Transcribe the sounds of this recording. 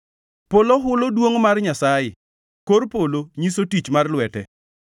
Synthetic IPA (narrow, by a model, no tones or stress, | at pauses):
poloɦʊlodwoŋmarɲasajɪ̰ | koɾpoloɲisotit͡ʃmarlwɛtɛ